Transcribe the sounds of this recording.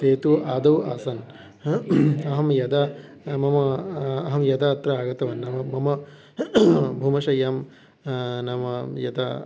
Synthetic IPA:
teːt̪uaːd̪ɐwaːsɐn | ɐɦɐmjɐd̪a | mɐmɐːɦɐmjɐd̪aːɐt̪ɾɐaːɡɐt̪ɐʋɐnːɐmɐmɐmɐ | bʱumɐʃɐjaːm | nɐmɐjɐd̪a̰

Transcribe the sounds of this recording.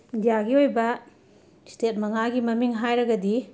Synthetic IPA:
indijaɡiojbɐ | stet̚mɐŋaɡimɐmiŋɦajɾɐɡɐdi

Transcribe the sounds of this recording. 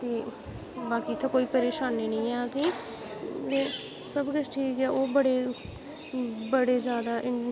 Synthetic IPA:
t̪eː | baːkiːt̪ʰaːkoːiːpəɾeːʃaːnːiːnə̃ːɛːəsĩː | t̪eː | səbkət͡ʃʈʰiːkkaːʔoːbəɽeː | bəɽeːzjaːd̪aːʔɪ

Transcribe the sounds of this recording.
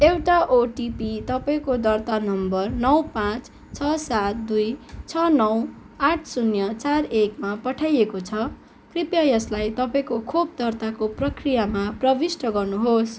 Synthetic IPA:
ewʈaʔoʈipit̪ʌpaĩkod̪ʌrt̪anʌmbʌrnʌwpãt͡s | t͡sʰʌsat̪̚d̪ujt͡sʰʌnʌw | aʈʰsunjʌt͡sarekmapʌʈʰajekot͡sʰʌ | kripjajʌslajt̪ʌpaĩkokʰob̚d̪ʌrt̪akoprʌkrijamaprʌbisʈʌɡʌrnuɦos

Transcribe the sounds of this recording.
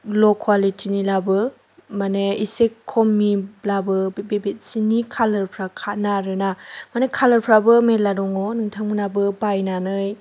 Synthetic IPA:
lɔkʰwalitʰinilabɯ | maneisekʰːɔmːilabɯbebet̚sinikʰalɯɾpʰɾakʰanaɾɯnamanekʰalɯɾpʰɾabɯmetladɔŋɔnɯŋtʰaŋmɯnabɯbajnanɯj

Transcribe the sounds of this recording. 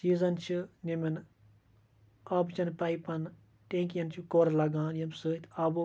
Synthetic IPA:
siːzɐnt͡ʃʰɨnʲemɐn | ɐbt͡ʃɐnpɐipɐn | ʈẽːŋkjɐnt͡ʃʰukoːɾɐlɐɡãːnjɐmsɨːt̪ʰʲɐb

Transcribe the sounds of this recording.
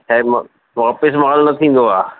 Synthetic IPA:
t͡ɕʰaːmɐ | mːpːɪsmɐɣaːlnɐt̪ʰĩːn̆d̪oaː

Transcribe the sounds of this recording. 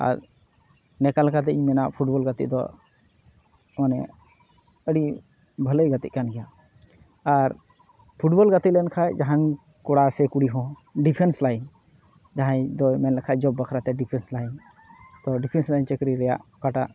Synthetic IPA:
a̰ɾ | nɛkalkat̪̬ɛiɲmɛnaʔpʰuʈbɔlɡat̪ḭʔd̪ɔ̰ | manɛ̰ | əɽi | bʱələjɡat̪iʔ̚kanɡɛja | aɾ | pʰuʈbɔlɡat̪ilɛnkʰajd͡ʒaɦan | kɔɽasɛkuɽiɦɔ̃ | ɖipʰɛnslajn | d͡ʒaɦãjd̪ɔjmɛnlɛkʰad͡ʒɔbːəkʰɾat̪ɛɖipʰɛnslajn | t̪ɔɖipʰɛnslajnt͡ʃəkɾiɾɛja̰ʔkaʈaʔ

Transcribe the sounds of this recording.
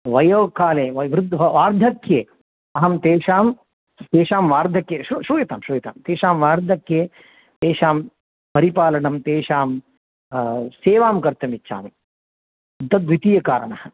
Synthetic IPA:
ʋɐjoːkaːleːʋɐʋɾɪd̪ʱʋɐʋaːɾd̪ʱɐkjeː | ɐɦɐmt̪eːʃaːm | t̪eːʃaːmʋaːɾd̪ʱɐkjeːʃɾuʃɾuːjɐt̪aːmʃɾuːjɐt̪a̰ːmt̪eːʃaːmʋaːɾd̪ʱɐkjeː | t̪eːʃaːm | pɐɾipaːlɐɳɐmt̪eːʃaːm | seːʋaːmkɐɾt̪ɐmit͡ʃːʃʰa̰ːmi | d̪ɐd̪ʋit̪ijɐkaːɾɐɳɐhɐ

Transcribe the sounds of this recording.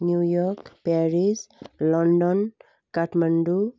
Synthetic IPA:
njujɔɾkpaɾislɔɳɖɔn | kaʈmaɳɖu

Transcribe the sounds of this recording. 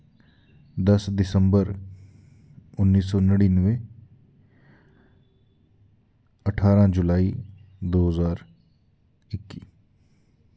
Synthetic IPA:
d̪əsd̪ɪsəmbəɾ | ʊnːiːsɔːnəɽiːnəʋẽː | əʈʰaːɾãːd͡ʒʊlaːiːd̪oːɦəzaːɾ | ɪkːiː

